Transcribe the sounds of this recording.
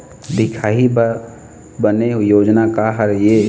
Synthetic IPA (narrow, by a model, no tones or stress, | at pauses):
d̪ɪkʰaːi | bənejoːd͡ʒnakaɦəɾje